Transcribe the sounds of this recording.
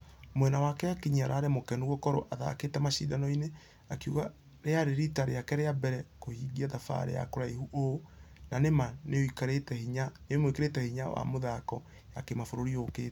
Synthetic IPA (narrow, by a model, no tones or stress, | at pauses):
mwɛnawakɛakiɲiaɾaːɾɛmokɛnuɣokɔɾo̰ʔaða̰ketɛmaʃḭːdanɔine | akuɣa | ɾeaɾeɾitaɾeakɛɾeabɛɾɛkohiɡiaðafa̰ɾḛja̰koɾaiɦuʔonanemaneoikaɾetɛhiɲanemwikeɾetɛhiɲawa̰moðakɔ | jakemafoɾoɾioket